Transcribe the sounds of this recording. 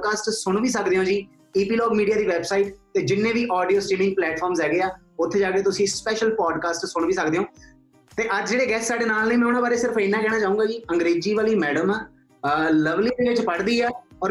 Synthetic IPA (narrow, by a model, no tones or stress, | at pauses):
kaːsʈsʊɳ̃ʋiːsəkd̪eːõːd͡ʒiː | eːpiːlɔːɡmiːɖiaːd̪iːʋɛːbsaːiːʈt̪eːd͡ʒɪnːẽːʋiːʔɔːɖijoːsʈɾiːnɪ̃ŋɡ̚plɛːʈfʰɔːɾmzɦɛːɡeːaː | ʊt̪ʰːeːd͡ʒaːkeːt̪ʊsĩːspɛːʃəlpɔːɖkaːsʈsʊɳʋiːsəkd̪eːɦõː | t̪eːʔəd͡ʒd͡ʒeːɽeːɡɛːssaːɖeːnaːlnẽːmɛ̃ːʊːñãːbaːɾeːsɪɾəfiːnːaːkɛːɽaːt͡ʃaːũːɡaːd͡ʒiːəŋɡɾeːd͡ʒiːʋaːliːmɛːɖəm | ləʋliːd̪eːʋɪt͡ʃpəɽd̪iːɛːɔːɾ